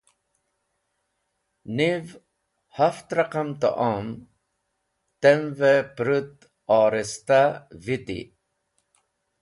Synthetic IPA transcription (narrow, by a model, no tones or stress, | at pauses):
niv | haft̪ɾaqamt̪ə̰ʔam | t̪ɛnvɛpɾut̪ | ɑːɾɛst̪avit̪ḭ